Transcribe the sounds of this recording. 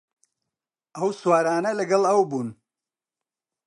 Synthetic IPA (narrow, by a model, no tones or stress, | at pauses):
ʔɐwswaːɾaːnɐlɐɡɐlˠɐwbuːn